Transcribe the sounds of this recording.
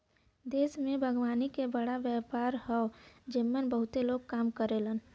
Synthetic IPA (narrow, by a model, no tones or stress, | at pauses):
d̪eːsmẽbʱəɡʋaːnikebəɽaʋjɛːpaːɾɦɛod͡ʒəmːənbəɦʊt̪eloːɡ̚kaːmkəɾelən